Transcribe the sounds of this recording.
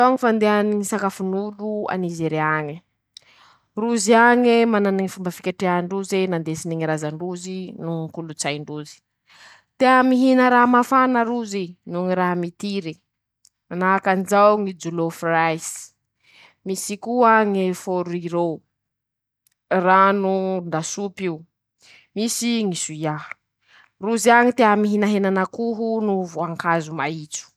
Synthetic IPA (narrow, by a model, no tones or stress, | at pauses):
t̪oŋifand̪eaniŋisakafunulua̰nizeɾeaɲi | ruziaŋemananŋifumbafi̥kʲeʈ͡ʂeaɳɖ͡ʐuzenand̪esiniŋiɾazaɳɖ͡ʐuzinukulut͡sajɳɖ͡ʐuzi̥ | t̪eamiɦinəɾaɦamafanəɾuzinuŋiɾaɦamit̪iɾi | anakanzawŋid͡ʒulofrajs | misikuəŋefoɾuiɾow | ranund̪asupiu | misiŋisujaɦ | ruziaŋit̪eamiɦinaɦenanakuɦunuvoaŋkazumait͡su̥